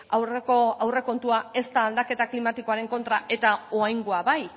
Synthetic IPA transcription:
awrekoawre̞ko̞nt̪uae̞st̪aːld̪ake̞t̪aklimat̪iko̞aɾe̞ŋko̞nt̪ɾaʔe̞t̪aoajŋɡoaβaj

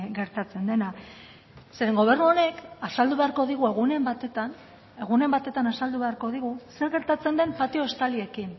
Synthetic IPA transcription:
ɡe̞ɾt̪at͡se̞nd̪e̞na | se̞ɾe̞ŋɡo̞β̞e̞ɾnuo̞ne̞kasald̪uβe̞aɾko̞ðiɣue̞ɣunembat̪et̪an | e̞ɣune̞mbat̪e̞t̪anasald̪uβe̞aɾko̞ðiɣuse̞ɾɣe̞ɾt̪at͡se̞nd̪e̞mpat̪io̞est̪alie̞kin

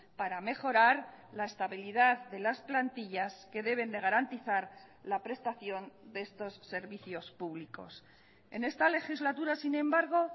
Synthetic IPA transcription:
paɾame̞xo̞ɾaɾlae̞st̪aβiliðaððe̞lasplant̪iʎaske̞ðe̞β̞e̞nd̪e̞ɣ̞aɾant̪iθaɾ | lapɾe̞st̪aθjo̞nd̪eest̪o̞sːe̞ɾβiθjo̞spuβliko̞̰s | e̞ne̞st̪ale̞xizlat̪uɾasinẽ̞mbaɾɣ̞o̞

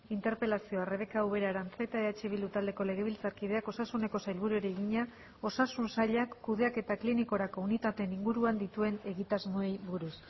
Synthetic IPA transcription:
int̪e̞ɾpe̞lasio̞are̞βe̞kauβe̞ɾaɾant͡set̪aeat͡ʃeβild̪ut̪ald̪e̞ko̞le̞ɣe̞β̞ilt͡saɾkið̞e̞ako̞sasune̞ko̞sajlβ̞uɾueɾeːɣiɲa | o̞sasunsaʎakːuðe̞ake̞t̪akliniko̞ɾako̞unit̪at̪e̞niŋɡuɾuand̪it̪ue̞ne̞ɣit̪azmoe̞jβuɾus

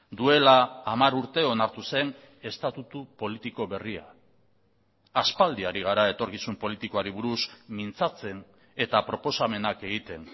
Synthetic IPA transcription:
d̪ue̞laːmaɾuɾt̪e̞o̞naɾt̪use̞n | e̞st̪at̪ut̪upo̞lit̪iko̞βe̞ria̰ | aspald̪iaɾiɣ̞aɾae̞t̪o̞ɾkisumpo̞lit̪iko̞aɾiβuɾusmint͡sat͡se̞n | e̞t̪apɾo̞po̞same̞nake̞ɣ̞it̪e̞n

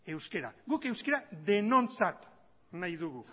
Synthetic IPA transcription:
e̞wske̞ɾaɡuke̞wskeɾaðe̞no̞nt͡sat̪ | najðuɣu

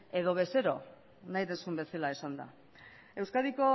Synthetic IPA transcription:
e̞ðo̞βe̞seɾo̞ | najðensumbe̞selae̞sand̪a̰ | e̞wskaðiko̞

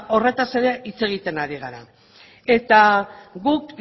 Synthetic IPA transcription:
o̞re̞t̪ase̞ɾeʔit͡se̞ɣ̞it̪e̞naɾiɣ̞aɾa | e̞t̪aɣuk

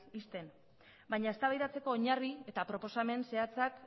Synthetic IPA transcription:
ist̪e̞n | bajɲae̞st̪aβajðat͡se̞ko̞ːɲarie̞t̪apɾo̞po̞same̞nse̞at͡sak

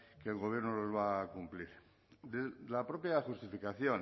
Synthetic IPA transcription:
keːlɣo̞β̞jeɾnolo̞zβaːkumpliɾ | d̪elapɾopjaxust̪ifikaθjon

